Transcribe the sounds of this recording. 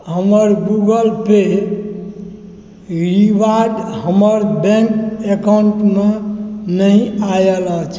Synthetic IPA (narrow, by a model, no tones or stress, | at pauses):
ɦəməɾɡuɡəlpe | ɾibaʈɦəməɾbẽŋkekauɳʈmenəĩajelət͡ʃʰ